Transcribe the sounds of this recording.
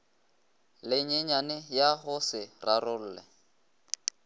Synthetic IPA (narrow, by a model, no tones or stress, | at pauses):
lɪɲeɲanɪjaɦʊsɪrarʊl̩ːlɛ̰